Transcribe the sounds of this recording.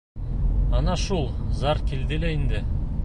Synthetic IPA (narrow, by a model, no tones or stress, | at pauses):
ɑnɑʃulˠzɑɾkʲild̪ɪleind̪ɪ